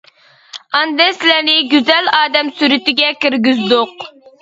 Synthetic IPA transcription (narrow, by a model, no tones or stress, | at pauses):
ɑnd̪ɛsɪlænɪɡʲyzɛlɑːd̪ɛmsyɾɪt̪ɪɡʲɛkʲiɾɡʲyzd̪ʊq